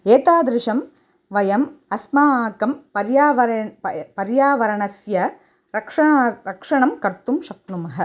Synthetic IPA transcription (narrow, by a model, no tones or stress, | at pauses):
eːt̪aːd̪ɾɪʂɐm | ʋɐjɐmɐsmaːaːkɐmpɐɾjaːʋɐɾpɐɾjaːʋɐɾɐɳɐsjɐ | ɾɐkʂɐɾɐkʂɐɳɐmkɐɾt̪ːɯmʃɐk̚numɐɦɐ